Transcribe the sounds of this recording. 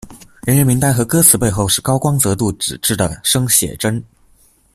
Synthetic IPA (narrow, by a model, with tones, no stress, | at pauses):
ɻə˧˥nɻə˧˥nmi˧˥ŋt̪a˥˧˩ɪxɤ˧˥kɤ˥t͡sʰɹ̩˧˥pe˥˧ɪxo˥˧ʊʂɻ̩˥˩kɑ˥ʊkwɑ˥ŋt͡sɤ˧˥t̪u˥˩ʈ͡ʂɻ̩˨˩ʈ͡ʂɻ̩˥˩d̪ə˩ʂɤ˥ŋɕjɛ̰˨˩ʈ͡ʂə˥n